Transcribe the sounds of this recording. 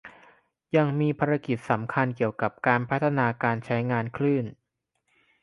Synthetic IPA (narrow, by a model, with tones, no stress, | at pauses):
ja˧ŋmiː˧pʰaː˧ɾa˧ki˨˩t̪̚sa˩˦mkʰa˧nki˨˩əwka˨˩p̚kaː˧npʰa˦˥t̪ʰːa˧naː˧kaː˧nt͡ɕʰa˦˥jŋaː˧nkʰlɯː˥˩n